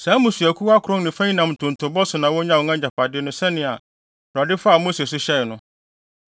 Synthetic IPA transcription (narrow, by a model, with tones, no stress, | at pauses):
sã˨˦mʊ̃˨sɥæ˨kʰu˦wa˦kʰʊ˨ɾɔ̃˦nnɪ̃˨fã˦ĩ˦nã˨m˨tʰʊ̃˨n̩˨tʰʊ˨bɔ˦sʊ˨nã˨wɔ˦ɲã˦˨wɔ˨˦ã˦ɲa˨pʰa˨dɪ˦nʊ̃˦sɛ˦nɪ̃˨a˨ | bɾa˨dɪ˦fa˦˨mo˦se˨s̬ʊ˦ɕɛ˦ɪ˨nʊ̃˦